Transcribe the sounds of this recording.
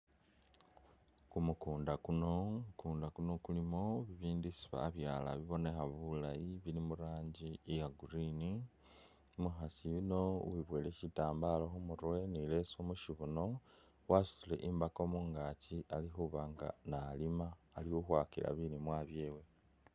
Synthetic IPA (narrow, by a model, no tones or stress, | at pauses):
kumukuːndakuno̞mukuːndakuno̞kulimo̞βiβiːndisi̥βa̰ːβjaːla̰βiβo̞ne̞xaβulajiβilimuɾaːɲɟiːjaɡuɾini | muxasijuno̞wiβwe̞ːlecitaːmbaloxumuɾwe̞nilesomuʃiβuno̞ | wasu̥sile̞̰ʔimbako̞muːŋɡaciʔalixuβaŋɡa̰nalimaːliuxwaːkila̰βinimwaːβje̞ːwe̞